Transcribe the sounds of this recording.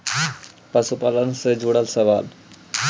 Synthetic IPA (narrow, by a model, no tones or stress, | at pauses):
pəsupalənsed͡ʒuɽəlsəʋal